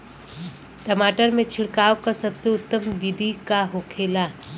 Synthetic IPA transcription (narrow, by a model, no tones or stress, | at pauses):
ʈəmaːʈəɾmẽt͡ʃʰɪɽkaːokasɐbseʊt̪ːəmʋid̪ʱikaɦokʰeːlaː